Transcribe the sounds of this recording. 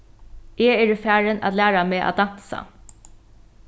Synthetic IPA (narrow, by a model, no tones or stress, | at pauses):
ʔeːɛːɹəfæːɹəna̰t̪læːɹameːʔa̰d̪an̥sa̰